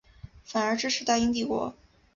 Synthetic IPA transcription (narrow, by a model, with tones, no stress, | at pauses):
fa˨˩nə˞˧˥ʈ͡ʂɻ̩˥ʂʰɻ̩˧˥t̪a˥˧ɪi˥ŋt̪̬i˥˩kwɔ̰˧˥